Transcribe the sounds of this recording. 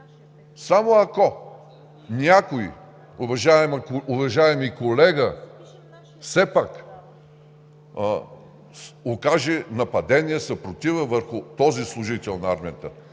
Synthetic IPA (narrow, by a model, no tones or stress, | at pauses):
samoɐko | nʲakoḭ | ʊvɐʒaɛmʊvɐʒaɛmikolɛɡə | fsɛpak | okaʒɛnɐpɐd̪ɛniɛsɐpɾot̪ivəvəɾxʊt̪ɔzislˠʊʒit̪ɛlˠnɐaɾmijət̪ə